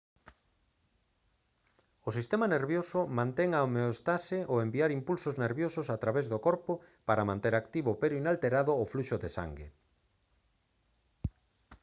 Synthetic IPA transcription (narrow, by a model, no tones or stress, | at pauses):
osist̪emaneɾβjosʊmãnt̪ɛŋaomeost̪asɪʔoembiaɾimpulsozneɾβjosʊsat̪ɾaβezðokɔɾpopaɾɐmãnt̪eɾakt̪iβoʊpeɾʊinalt̪eɾaðʊːfluʃʊðesa̰ŋɡe